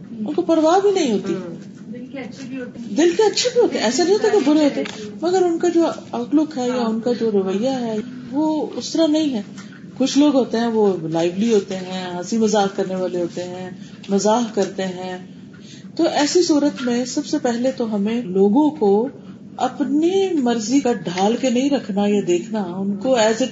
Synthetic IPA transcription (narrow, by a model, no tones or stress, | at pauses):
ʊnkopɐɽʋaːbʱinɐɦĩɦoːt̪i | d̪ɪlkeɐtːʃʰabʱiɦoːt̪eɛ̃ɛːsanɐ̃ɦĩoːt̪akebʊɾeɦoːt̪eɦɛ̃mɐɡəɾʊnkad͡ʒoːɐklʊkɦɛjaʊnkad͡ʒoːɾɐʋəjːaɦɛ | ʋoːʊst̪əɾanɐɦĩɦɛ̃ː | kʊt͡ʃʰloːɡɦoːt̪eɦɛ̃ʋolaːɪʋliɦoːt̪eɦɛ̃ːãːsimɐzaːɦkɐɾneʋaːleɦoːt̪eɦɛ̃ː | mɐzaːɦkɐɾt̪eɦɛ̃ː | t̪oʔɛːsisuːɾət̪mẽsɐbsepɛɦlet̪oɦɐmẽloːɡõko | ɐpnimɐɾzikaɖʱaːlkenɐɦĩɾɐkʰnajad̪eːkʰnaʊnkoɛːze